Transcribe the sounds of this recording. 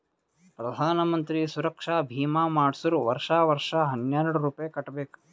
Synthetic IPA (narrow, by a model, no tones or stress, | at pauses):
pɾɐd̪ʱaːnɐmɐnt̪ɾisuɾɐkʂaːbʱiːmaːmaːɽsuɾuʋɐɾʂaːʋɐɾʂaɦɐnjaːɾɐɽuɾuːpɐjɐkɐʈːbeːk